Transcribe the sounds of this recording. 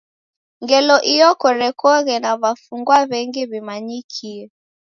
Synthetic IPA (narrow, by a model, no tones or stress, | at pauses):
ŋɡɛlɔʔijɔkɔɾɛkɔɣɛnaβafuŋɡwaβɛŋɡiβimaɲikʰiɛ